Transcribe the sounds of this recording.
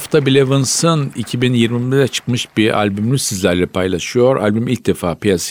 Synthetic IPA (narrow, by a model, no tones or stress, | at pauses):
ft̪ʰabilʲevɯnsɯnicʰibinjiɾmibed̪ɛt͡ʃʰɯ̥kmɯʃbiʔa̰lʲbymlʲysizlʲæɾlʲɛpʰajlˠaʃɯjo̞ɾʔa̰lʲbymilʲc̚d̪efaːpijas